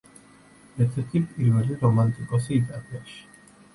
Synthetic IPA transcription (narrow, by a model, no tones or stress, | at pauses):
ɛɾt̪ʰɛɾt̪ʰipʼiɾvɛliɾɔmant̪ʼikʼɔsiːt̪ʼaliaʃi̥